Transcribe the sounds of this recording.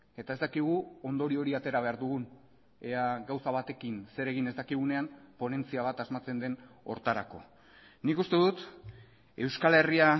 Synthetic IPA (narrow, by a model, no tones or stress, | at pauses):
e̞t̪ae̞zt̪akiɣ̞uo̞nd̪o̞ɾio̞ɾiat̪e̞ɾaβ̞e̞aɾðuɣ̞un | eaɡawsaβ̞at̪e̞kinse̞ɾe̞ɣ̞ine̞zd̪akiɣ̞une̞ampo̞ne̞nt͡siaβat̪azmat͡se̞nd̪e̞no̞ɾt̪aɾa̰ko̞̰ | nikust̪e̞ðut̪ | e̞wskale̞ria